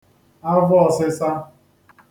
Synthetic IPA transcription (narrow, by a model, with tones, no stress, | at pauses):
a˦vʊ˦ɔ˨sɪ˦sa˦